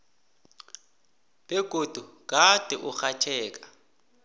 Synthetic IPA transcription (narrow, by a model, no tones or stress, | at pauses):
b̥ɛɡ̥ʱod̥ʱukʼad̥ʱʼɛʔʊxat͡ʃʰɛːk̬ʼḁ